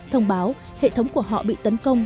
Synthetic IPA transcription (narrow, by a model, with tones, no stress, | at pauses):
t̪ʰə˧wŋ͡mɓaː˨˦w | hḛ˧˨t̪ʰə˨˦wŋ͡mku˧˩əɦɔ̰˧˨ɓḭ˧˨t̪ə˨˦nkə˧wŋ͡m